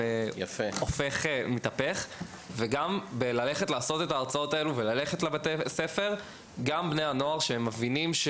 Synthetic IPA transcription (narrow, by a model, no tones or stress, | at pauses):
ejafeofeχemitapeχ | veɡambelale̞χetlaːso̞tetaːʁt͡sao̞t̪ae̞luvelale̞χetlabat̪ese̞fe̞ʁ | ɡambnejano̞aʁʃeemːavinimʃ